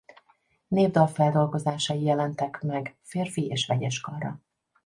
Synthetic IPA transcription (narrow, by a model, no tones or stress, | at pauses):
neːvd̪ɒlfɛld̪o̞lɡo̞zaːʃɒjijɛlɛnt̪ɛkmɛɡfeːrfieːʃʋɛɟɛʃkɒrɒ̰